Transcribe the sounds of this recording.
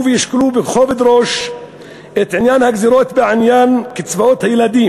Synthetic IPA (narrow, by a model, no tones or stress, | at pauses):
vɪjɪʃklubɪxoːved̪ɾoːʃ | ʔet̪ʕɪnjaːnhaɡziɾoːt̪beʕɪnjaːnkɪt͡svaʔot̪hajlad̪iːm